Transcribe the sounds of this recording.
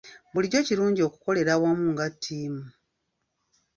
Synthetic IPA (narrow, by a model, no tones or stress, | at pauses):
buliɟo̞ciɾuːɲɟio̞ku̥ko̞le̞ɾawamuːŋɡatʰːiːmu